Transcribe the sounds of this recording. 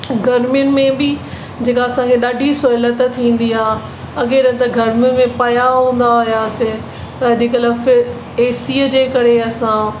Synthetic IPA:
ɡʱɐɾmijʊnɪ̆mẽbɪ | d͡ʑeːkaɐsãkʰeɗaːɖʱisoːɪlət̪t̪ʰĩːn̆d̪iaː | ɐɠeɾɐ̃t̪ɐɡʱɐɾmijʊnɪ̆mẽpɐjaɦũːn̆d̪aɦijasɪ̃ | pɐd͡ʑeːkəlafɪɾ | eːsiːəd͡ʑeːkɐɾeɐsã

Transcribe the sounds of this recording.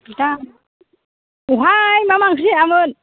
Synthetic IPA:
ita | uɦajmamaŋkɾiamɯn

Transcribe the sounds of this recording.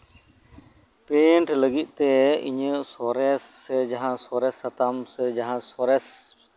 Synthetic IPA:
peɳʈləɡit̪̚ˀt̪ɛḭɲəsɔɾɛsɛd͡ʒaɦãsɔɾɛsːat̪amsɛd͡ʒaɦãsɔɾɛs

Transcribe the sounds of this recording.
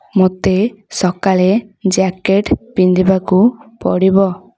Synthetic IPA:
mot̪e | sɔkaled͡ʒakeʈpind̪ibakupɔ̰ɽibɔ

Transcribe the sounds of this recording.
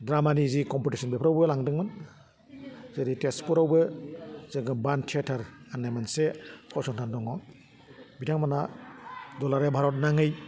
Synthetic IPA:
dɾamanizikɔmpitisɔnbepʰɾawbɯlaŋdɯŋmɯn | zɯɾitespɔɾawbɯzɯŋɯbantʰetʰaɾanːajmansekʰɔsɔntʰandɔŋɔ | bitʰaŋmana | dɔlaɾebʱaɾɔt̚naŋɯj

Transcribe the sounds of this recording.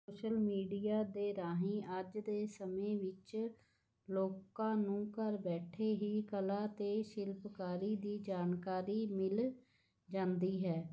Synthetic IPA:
soːʃəlmiːɖiːaːd̪eːɾaːɦĩːʔəd͡ʒd̪eːsəmẽːʋɪt͡ʃ | loːkãːnũːkəɾbɛːʈʰeːɦiːkəlaːt̪eːʃɪlpkaːɾiːd̪iːd͡ʒaːnkaːɾiːmɪl | d͡ʒãːnd̪iːɦɛː

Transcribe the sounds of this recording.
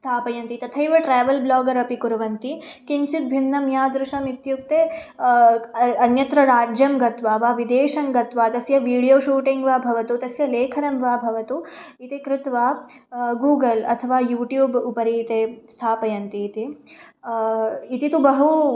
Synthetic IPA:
st̪ʰaːpɐjɐnt̪it̪ɐt̪ʰɐjʋɐʈɾaːʋɐlblaːɡɐɾɐpikuɾɐʋɐnt̪ikint͡ʃit̪̚bʱinːɐmjaːd̪ɾuʃɐmit̪juk̚t̪eː | ɐnjɐt̪ɾɐɾaːd͡ʒjɐmɡɐt̪ʋaːʋaːʋid̪eːʂɐmɡɐt̪ʋaːt̪ɐsjɐʋiːɽijoːʃuːʈiŋɡʋaːbʱɐʋɐt̪ut̪ɐsjɐleːkʰɐɾɐmʋaːbʱɐʋɐt̪u | it̪ikɾɪt̪ʋaː | ɡuːɡɐlɐ̰t̪ʰɐʋaːjuːʈjuːbupɐɾiːt̪eːst̪ʰaːpɐjɐnt̪iːt̪i | it̪it̪ubɐɦu

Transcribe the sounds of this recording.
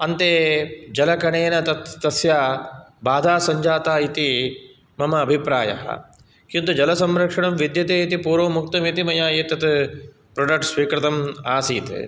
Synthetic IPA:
ɐnt̪eːd͡ʒɐlɐkɐɳeːnɐt̪ɐt̪ːɐsjaːbaːd̪ʱaːsɐɲd͡ʒaːt̪aːit̪i | mɐmɐːbʱipɾaːjɐ̰ɦɐ̰ | kint̪ud͡ʒɐlɐsɐmɾɐkʂɐɳɐmʋid̪jɐt̪eːit̪ipuːɾʋoːmuk̚t̪ɐmit̪imɐjaːjeːt̪ɐt̪ | pɾɐɖɐk̚ʈsʋiːkɾɪt̪ɐmaːsiːt̪

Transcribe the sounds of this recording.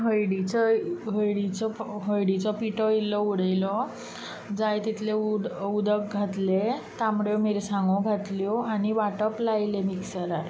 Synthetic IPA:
ɦəjɽit͡sɔɦəjɽit͡sɔɦəjɽit͡sɔpiʈɔilːɔuɽəjlɔ | d͡zajt̪it̪ʰleuud̪ək̚ɡʱat̪let̪amɽjomiɾsãŋɡõɡʱat̪ljɔañiʋaʈəplailemiksəɾaɾ

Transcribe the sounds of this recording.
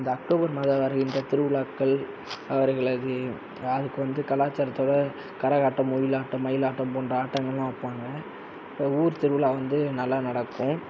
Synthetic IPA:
ɪnd̪ɐɐkʈoːbɐɾmaːðɐʋɐɾɐɣɪndrɐt̪ɪɾɯʋɪɭaːkːɐɭ | ɐʋɐɾɣɐɭɐðɯ | ɐðɯkːɯʋɐnd̪ɯkɐlaːt͡ʃːɐɾɐt̪ːoːɽɐ | kɐɾɐɣaːʈːɐ̃mʊjɪlaːʈːɐ̃mɐjɪlaːʈːɐ̃mpoːnɖrɐaːʈːɐŋɡɐɭlãːɐpːaːŋɡɐ | ɐuːɾt̪ɪɾɯʋɪɭaːʋɐnd̪ɯnɐlːaːnɐɽɐkːʊ̃

